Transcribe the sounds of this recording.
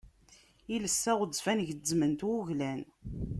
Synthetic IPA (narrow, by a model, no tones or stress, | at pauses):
iləsːæʁəd͡zːfænʝzːmənt̪wuʝlæn